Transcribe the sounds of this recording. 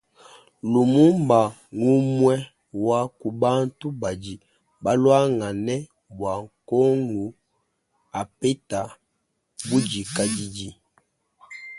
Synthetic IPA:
lu˨mu˦mba˨ | ŋu˦mwɛ˦ | wa˦ku˨ba˦n̩˦tu˦ba˨d͡ʒi˨ | ba˦lwa˦ŋa˨nɛ˦ | bwa˨ŋkɔ˦ŋu˨ | a˨pɛ˦ta˨ | bu˦d͡ʒi˨ka˦d͡ʒi˦d͡ʒi˦

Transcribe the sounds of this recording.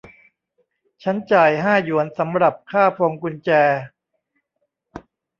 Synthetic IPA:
t͡ɕʰa˦˥nt͡ɕaː˨˩jɦaː˥˩ju˩˦ənsa˩˦mɾa˨˩p̚kʰaː˥˩pʰo˧ŋku˧nt͡ɕɛː˧

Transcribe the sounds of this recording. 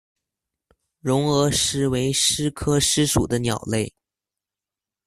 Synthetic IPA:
ɻʊ˧˥ŋɤ˧˥ʂɻ̩˥we˧˥ɪʂɻ̩˥kʰɤ˥ʂɻ̩˥ʂṵ˨˩d̪ə˦njɑ˨˩ʊle˥˩ɪ

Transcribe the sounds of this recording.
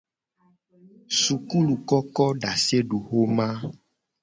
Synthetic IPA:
su˨ku˦lu˨kɔ˦kɔ˦ɖa˨se˦ɖu˨xo˦mã˦

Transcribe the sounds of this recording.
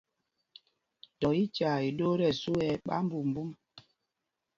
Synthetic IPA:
tɔ˨i˦t͡ʃa˨i˨do˦ɾɛ˨su˦ɛ˦ɓa̰˦m̩˦bu˨m̩˨bu˦m

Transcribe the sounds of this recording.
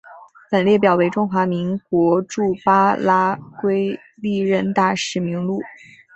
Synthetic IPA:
pə˨˩nljɛ˥˩pjɑ˨˩ʊwe˥ɪʈ͡ʂʊ˥ŋxwa˧˥mi˧˥ŋkwɔ˧˥ʈ͡ʂu˥˩pa˥la˥kwe˥ɪ | li˥˩ɻə˥˧nt̪a˥˩ʂɻ̩˧˥mi˧˥ŋlu˥˩

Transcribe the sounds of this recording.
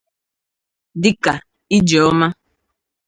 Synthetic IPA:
dɪ˦ka˨ | i˦d͡ʒɔ˨ɔ˦ma˦

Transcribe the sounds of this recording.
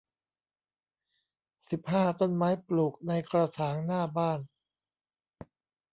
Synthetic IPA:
si˨˩p̚haː˥˩t̪o˥˩nmaː˦˥jpluː˨˩k̚na˧jkɾa˧sʰaː˩˦ŋnaː˥˩baː˥˩n

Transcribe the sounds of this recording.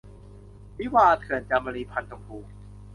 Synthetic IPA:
mi˦˥waː˧t̪ʰɯ˨˩ənt͡ɕaː˧˩ma˧liː˧pʰa˧nt͡ɕo˧ŋkʰuː˧˩ŋ

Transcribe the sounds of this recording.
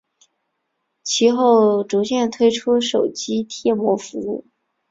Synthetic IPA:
t͡ɕʰi˧˥xo˥˩ʊʈ͡ʂu˧˥t͡ɕjɛ˥˩nt̪ʰwe˥ɪʈ͡ʂʰu˥ʂo˨˩ʊt͡ɕi˥t̪ʰjɛ˥˩mwɔ˧˥fu˧˥u˥˩

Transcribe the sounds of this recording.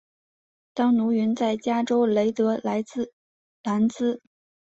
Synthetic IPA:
t̪ɑ˥ŋnu˧˥ɥy˧˥nt͡sa˥˩ɪt͡ɕja˥ʈ͡ʂo˥ʊle˧˥ɪt̪ɤ˧˥la˧˥ɪ˥˧ | la˧˥nt͡sɹ̩˥

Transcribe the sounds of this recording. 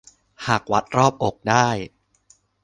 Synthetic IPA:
haː˨˩k̚wa˨˦˥t̪̚ɾɔː˥˩p̚ʔo˨˩k̚daː˥˩j

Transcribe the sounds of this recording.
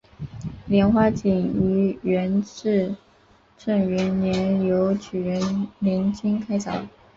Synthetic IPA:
ljɛ˧˥nxwa˥t͡ɕi˨˩ŋy˧˥ɥɛ˧˥nʈ͡ʂɻ̩˥˧ | ʈ͡ʂɤ˥˩ŋɥɛ˧˥njɛ˧˥njo˧˥ʊt͡ɕʰy˨˩ɥɛ˧˥nli˧˥nt͡ɕi˥ŋkʰa˥ɪt͡sɑ˨˩˦ʊ

